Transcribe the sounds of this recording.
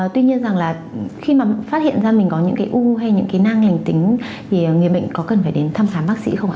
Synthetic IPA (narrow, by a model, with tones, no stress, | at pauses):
t̪wi˧ɲi˧ənza˨˩ŋlaː˨˩ | xi˧maː˨˩faː˦˥t̚hḭ˧˨ənzaː˧mi˨˩ŋ̟kɔ˨˦ɲɨ̰˧˥ŋkaː˨˦jʔu˧ɦa˧jɲɨ̰˧˥ŋkaː˨˦jna˧ŋla˨˩jŋ̟t̪ï˨˦ŋ̟ | t̪ʰi˨˩˨ŋi˨˩ə˩ɓə̰˧˨jŋ̟kɔ˨˦kə˨˩nfaː˧˩ɗe˨˦nt̪ʰa˧mxaː˨˦ɓaː˦˥k̚sḭ˧˥xə˧wŋ͡mʔaː˧˨